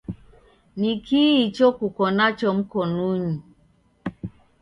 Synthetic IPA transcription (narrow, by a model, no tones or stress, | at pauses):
nikiit͡ʃɔkukɔnat͡ʃɔm̩kɔnuɲi